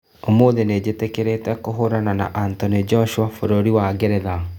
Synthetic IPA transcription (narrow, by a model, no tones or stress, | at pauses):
omoːðened͡ʑetekeɾetɛkoɦoɾanana̰ʔantɔned͡ʒɔʃuafoɾoɾiwaɡɛɾɛða